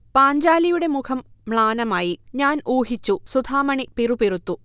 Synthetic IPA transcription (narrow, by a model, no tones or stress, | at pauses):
paːɲd͡ʑaːlijuɽe̞mukʰɐmːɭaːnɐmaːjiɲaːnuːɦit͡ɕːusud̪ʱaːmɐɳipirupirut̪ːu